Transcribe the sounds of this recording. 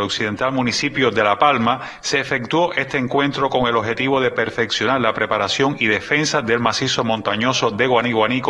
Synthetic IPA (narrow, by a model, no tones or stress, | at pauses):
loksiðe̞nt̪almũnisipjoðe̞lapalma | se̞ːfe̞k̚t̪wo̞ʔe̞st̪eːŋkwẽ̞nt̪ɾo̞ko̞ŋe̞lohe̞t̪iβo̞ðe̞pe̞ɾfeksjonaɾlapɾe̞paɾasjo̞ŋiðe̞fe̞nsaðe̞lmasiso̞mõnt̪aɲo̞so̞ðeɣwaniɣwanik